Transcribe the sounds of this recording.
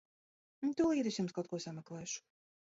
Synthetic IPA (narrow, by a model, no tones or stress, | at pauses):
t̪uliːɾisjumskawt̪kuɔsamʲɛklˠɛːʃu̥